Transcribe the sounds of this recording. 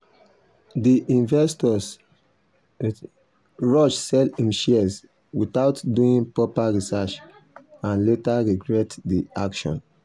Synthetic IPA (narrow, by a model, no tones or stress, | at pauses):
diʔĩnvɛstɔs | ɹɔʃsɛlĩmʃis | witaʊtduĩnpɹɔpaɹisat͡ʃ | ãnletaɹiɡɹɛtdiakʃɔ̰̃n